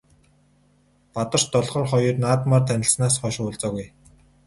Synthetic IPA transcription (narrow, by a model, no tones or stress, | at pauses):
pat̪ə̆rt͡ɕt̪ɔɮχɞ̆ːrχɔjɞ̆rnaːt̪maːrt̪ʰænʲɪ̆ɬsnaːsχɔʃʊːɮt͡sɔːɣuj